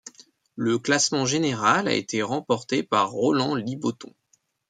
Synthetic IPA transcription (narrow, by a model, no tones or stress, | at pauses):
ləklasmɑ̃ʒeneʁala̰ḛt̪ʰeʁɑ̃pɔʁt̪epaʁːɔlɑ̃libot̪ɔ̰̃